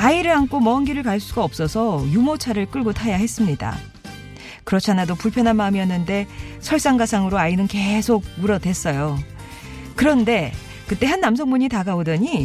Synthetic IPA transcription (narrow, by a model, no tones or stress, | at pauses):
aiɾɯɭankʰomʌnɡiɾɯɭkaɭs͈uɡaʌp̚s͈ʌsʰʌjumot͡ɕʰaɾɯɭk͈ɯɭɡotʰajahe̞s͈ɯmɲida̰ | kɯɾʌt͡ɕʰanadopuɭpʰjʌnɦanmamiʌnːɯnde̞ | sʰʌɭs͈aŋɡasʰaŋɯɾoainɯnke̞sʰoɡ̚muɾʌdwe̞s͈ʌjo | kɯɾʌnde̞ | kɯt͈e̞ɦanːams̬ʰʌŋmuɲitaɡaodʌɲi